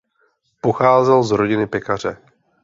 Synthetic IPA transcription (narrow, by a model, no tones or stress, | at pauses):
poxaːzɛlzɾoɟɪnɪpɛkar̝ɛ